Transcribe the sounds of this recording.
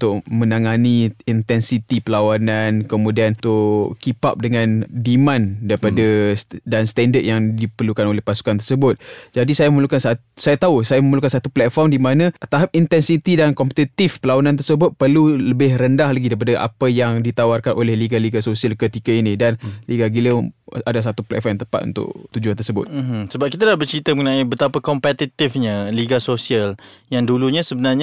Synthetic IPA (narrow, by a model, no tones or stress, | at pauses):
ut̪ʊʔmə̃naŋaniint̪ɛnsit̪ipəlawanankəmũdiant̪ʊkipa̰p̚dəŋandimãndaɾipadadanst̪ɛndət̪̚jaŋdipərlukanolɛhpasu̥kant̪ərsəbʊt̪̚d͡ʒadisajaməməlukansat̪sajat̪ausajaməməlukansat̪uplɛt̪̚fɔrmdimanãt̪aɦap̚int̪ɛnsit̪idankɔmpət̪it̪ifpəlawanant̪ərsəbʊt̪̚pərluləbɪhrəndahlaɡidaipadaʔa̰pəjaŋdit̪awarkanʔo̰lɛhliɡaliɡasosialkət̪ikainĩdanliɡaɡiləadas̬at̪uplɛ̰k̚fɔmjnt̪əpat̪̚ṵnt̪ʊ̰ʔ̚t̪ud͡ʒuant̪ərsəbʊ̰t̪̩msəbap̚kit̪alahbərt͡ʃɾit̪əməŋənãibət̪apakɔmpɛt̪it̪ɪfɲaliɡasosiəljaŋduluɲasəbənarɲa